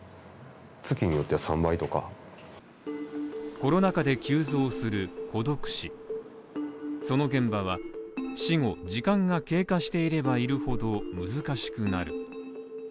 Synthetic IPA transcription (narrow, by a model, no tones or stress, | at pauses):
t͡sɨkʲiɲ̟ijo̞t̪ːeasãmbait̪o̞ka̰ | ko̞no̞nakad̪e̞kʲɨːzo̞ːsɨɾɯ̟ko̞d̪o̞kɯ̟̥ɕi | so̞no̞ɡẽ̞mbaβ̞aɕiŋo̞d͡ʑikãŋɡake̞ːkãɕi̥t̪e̞iɾe̞baiɾɯ̟ho̞d̪o̞mɯ̟zɨkaɕi̥kɯ̟naɾɯ̟